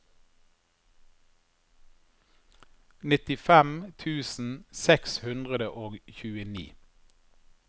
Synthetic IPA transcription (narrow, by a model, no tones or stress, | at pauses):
nɪt̪ɪfɛmt̪ʰʉːsn̩sɛkshʉnd̪ʁəd̪əʔoːɡçʉːənḭː